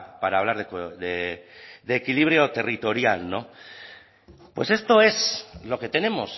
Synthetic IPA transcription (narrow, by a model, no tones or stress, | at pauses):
paɾaːβlaɾðekoðeðeːkiliβɾjo̞t̪e̞rit̪o̞ɾjalno̞ | pwe̞̰se̞st̪o̞e̞slo̞ke̞t̪e̞ne̞mo̞̰s